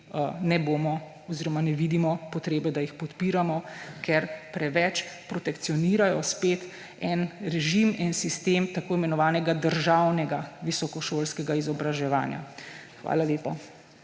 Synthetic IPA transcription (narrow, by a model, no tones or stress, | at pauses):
nɛboːmɔ | ɔziːɾɔmanɛʋiːd̪imɔpɔt̪ɾeːbɛd̪ajixpɔt̪piːɾamɔkʰɛɾpɾɛʋɛt͡ʃpɾɔt̪ɛkt̪siɔniːɾajɔspeːt̪ | ɛnɾɛʒimɛnsist̪eːmt̪akoːimɛnɔʋaːnɛɡad̪əɾʒawnɛɡaʋisɔkɔʃoːlskɛɡaizɔbɾaʒɛʋa̰ːnja̰ | xʋa̰ːlaleːpa